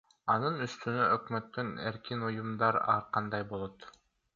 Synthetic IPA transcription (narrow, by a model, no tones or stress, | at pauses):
ɑnɯnyst̪ynøʔøkmøt̪ːøneɾkinujumd̪ɑɾɑ̰ɾqɑnd̪ɑjbolˠot̪